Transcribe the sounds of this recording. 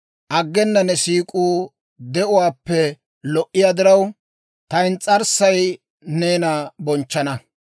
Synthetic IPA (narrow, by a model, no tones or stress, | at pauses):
ʔɐɡːɛnːɐnɛsiːkʼuː | d̪ɛʔʊwaːpːɛ | lɔʔːɪjad̪ɪɾɐw | t̪ɐjnt͡sʼɐɾsɐj | ne̞ːnɐbɔnt͡ʃːɐnɐ